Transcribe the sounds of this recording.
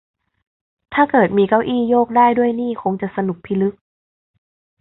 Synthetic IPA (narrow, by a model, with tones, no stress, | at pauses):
t̪ʰaː˥˩kɤː˨˩t̪̚miː˧ka˧˥˩wʔiː˥˩˨joː˥˩k̚daː˥˩jdu˥˩əjniː˥˩kʰo˧ŋt͡ɕa˨˩sa˧nu˨˩k̚pʰi˧˩lɯ˦˥k̚